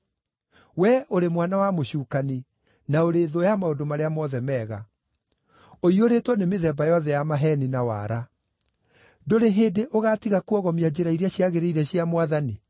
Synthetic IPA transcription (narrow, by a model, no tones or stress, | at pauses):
wɛʔoɾemwanawamoɕuːkani | naoɾeːðojamaodomaɾeamɔðɛmɛːɣa̰ | oioɾetwɔnemeðɛbajɔðɛjamaɦɛninawa̰ːɾa | doɾeɦeːdeʔoɣaːtiɣakuɔɣɔmiad͡ʑeɾaiɾiaɕjaɣeɾeiɾɛɕjamwaðani